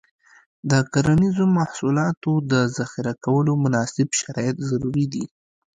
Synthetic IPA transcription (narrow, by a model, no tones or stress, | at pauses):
d̪əkaɾanizomahsulɑt̪od̪əzaxɪɾakawəlomʊnɑsɪbʃaɾɑjat̪zaɾuɾid̪i